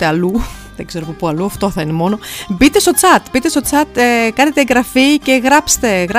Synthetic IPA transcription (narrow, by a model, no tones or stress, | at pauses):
eɐluðeɡze̞ɾopopuɐluɐft̪o̞θɐinemo̞no̞bit̪e̞st̪o̞t͡sɐt̪bit̪e̞st̪o̞t͡sɐt̪ekɐnet̪eŋɡɾɐfice̞ɣɾɐpst̪e̞ɣɾɐ